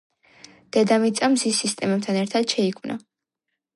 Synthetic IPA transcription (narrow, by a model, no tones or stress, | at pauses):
d̪̥ɛd̪amit̪sʼamzisːist̪ʼɛmɛb̚t̪ʰanɛɾt̪ʰad̪̥ʃɛikʰvnʔa̰